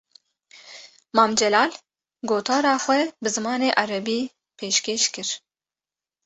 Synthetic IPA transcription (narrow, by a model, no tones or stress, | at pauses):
mɑːmd͡ʒɛlɑːl | ɡoːt̪ʰɑːɾɑːxʷɛbɨzɨmɑːneːʔɑɾɛbiː | pʰeːʃkeːʃkɨɾ